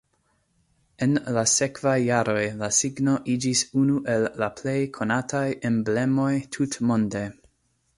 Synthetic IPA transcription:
e̞nlase̞kv̥ajːaɾo̞jlasiɡno̞ʔid͡ʒisunuʔe̞lːaple̞jkʰo̞natʰaje̞mble̞mo̞jtʰutmo̞nde̞

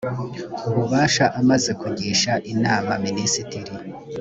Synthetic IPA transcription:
uɾuβaːʃaʔamaze̞kuɟiːʃaʔinaːmaminisitiɾi

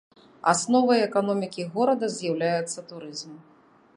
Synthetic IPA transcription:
a̰snɔvɐjɛkanɔmʲikʲiɣɔɾɐd̪ɐzʲjawlʲajɛt̪sːɐt̪uɾɨzm

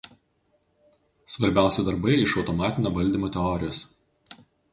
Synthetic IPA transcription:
sʋɐɾʲbʲæˑʊsʲɛd̪ɐɾbɐɪɪʃɒʊt̪ɔmɑːt̪ʲɪnʲoːʋɐlʲd̪ʲimoːt̪ʲɛɔɾʲɪjoːs

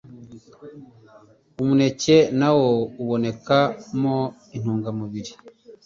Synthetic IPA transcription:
umune̞ce̞nawouβo̞ne̞kamo | in̥uːŋɡamuβiɾi

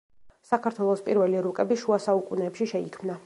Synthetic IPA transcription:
sakʰaɾt̪ʰwɛlˠɔspʼiɾvɛliɾukʼɛbiʃuasaukʼunɛːpʃiʃɛikʰmna

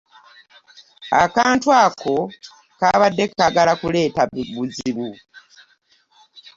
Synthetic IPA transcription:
akaːntwaːkʰo̞ | kaβadːe̞kːaɡalakule̞ːtaβuziβu

